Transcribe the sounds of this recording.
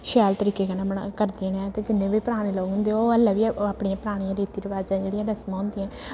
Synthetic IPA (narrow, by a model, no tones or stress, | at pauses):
ʃɛːlt̪əɾiːkeːkənãːmənakəɾd̪eːnãːt̪eːd͡ʒɪnːẽːbiːpəɾaːɽ̃eːləːuɦʊ̃nd̪eoːəlːãːʋiːaːpɳiãːpəɾaːɽ̃ijãːɾeːt̪iːɾəʋaːd͡ʒãːd͡ʒeːɽijãːɾəsmãːʊ̃nd̪iãː